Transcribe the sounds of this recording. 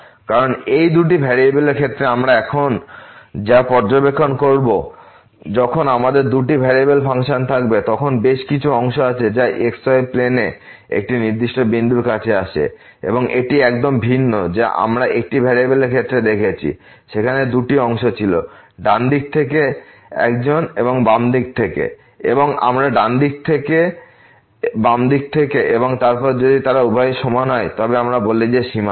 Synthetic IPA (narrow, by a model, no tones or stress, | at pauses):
kaɾonejd̪uʈibʱeɾiebelekʰet̪ːɾeamɾaɛkʰond͡ʑapɔɾd͡ʑobekʰːonkoɾbo | d͡ʑɔkʰonamad̪eɾd̪uʈibʱeɾiebelpaŋʃont̪ʰakbet̪ɔkʰonbeʃkit͡ɕʰuɔŋʃoat͡ɕʰed͡ʑaʔeksɔjplene | ḛk̚ʈiniɾd̪iʃʈobind̪uɾkat͡ɕʰeaʃʰḛ | ḛboŋʔeʈiɛkd̪ombʱinːod͡ʑeʔa̰mɾaʔek̚ʈibʱeɾebelekʰet̪ːɾed̪ekʰet͡ɕʰḭ | ʃekʰaned̪uʈiɔŋʃot͡ɕʰilo̰ɖand̪ik̚t̪ʰeke | ɛ̰kd͡ʑoneboŋbamd̪ik̚t̪ʰekḛ | ḛboŋa̰mɾaɖand̪ik̚t̪ʰeke | bamd̪ik̚t̪ʰekeʔeboŋt̪aɾpɔɾd͡ʑod̪it̪aɾaubʱaeʃɔmanɔet̪ɔbeamɾaboled͡ʑeʃima